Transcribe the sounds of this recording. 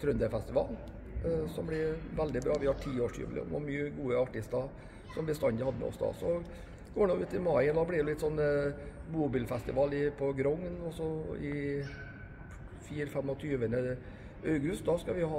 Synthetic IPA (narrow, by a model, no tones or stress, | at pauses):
t̪ʰɾʉnd̪əfɛst̪ɪʋɑ̰ːl | sɔmblɪɾʋæld̪ɪbɾɑːʋɪhɑʈʰiːoːʂʈʰy̰ːʋlɪ̰ɔ̰mɔ̰myːəɡuːəɑʈɪst̪ɑ | sɔmb̪ɪst̪ɑnd̪əhɑd̪əmɛ̰ɔ̰sd̪ɑ̰ːsɔ | ɡ̥oːɳoːʉːt̪ɪmɑɪɛnɑblɪɾʊlɪt̪sɔnːmuːbɪlfɛst̪ɪʋɑːlɪpʰɔɡɾɔŋːnɔsɔɪ | fiːɾfɛmːɔt̪ʰyːʋənə | œʉɡʉst̪̚d̪ɑskɑʋɪhɑ